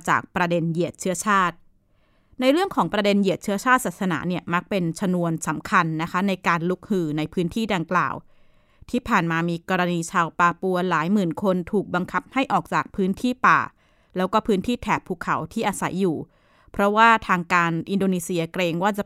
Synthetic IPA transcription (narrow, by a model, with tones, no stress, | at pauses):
t͡ɕa̰ː˨˩k̚pɾa˧de˧nji˨˩ət̪̚t͡ɕʰɯ˦˥ɐt͡ɕʰaː˥˩t̪̚ | na˧jɾɯ˥˩əŋkʰɔː˩˦ŋpɾa˧de˧nji˨˩ət̪̚t͡ɕʰɯ˥ɐt͡ɕʰaː˥˩t̪̚saː˨˩t̪̚sa˧na̰ː˩˦ni˥˩ɐma˦˥k̚pe˧nt͡ɕʰa˧nu˧ənsa˩˦mkʰa˧nːa˦˥kʰa˦˥na˧jkaː˧nlu˦˥k̚hɯː˧˩na˧jpʰɯː˦˥nt̪ʰiː˥˩da˧ŋkla̰ː˨˩w | t̪ʰiː˥˩pʰaː˨˩nmaː˧miː˧kɔː˧ɾa˧niː˧t͡ɕʰaː˧wpaː˧pu˧ɐlaː˩˦jmɯː˨˩nkʰo˧nt̪ʰuː˨˩k̚ba˧ŋkʰa˦˥p̚ha˥˩jʔɔː˨˩k̚t͡ɕaː˨˩k̚pʰɯː˦˥nt̪ʰiː˥˩pa̰ː˨˩ | lɛː˦˥wkɔː˥˩pʰɯː˦˥nt̪ʰiː˥˩t̪ʰɛː˨˩p̚ʰːuː˧˩kʰːa̰˩˦wt̪ʰiː˥˩ʔa˧sa˩˦jːuː˨˩ | pʰɾɔ˦˥waː˥˩t̪ʰaː˧ŋkaː˧nʔi˧ndoː˧niː˧si˧ɐkɾeː˧ŋwaː˥˩t͡ɕa˨˩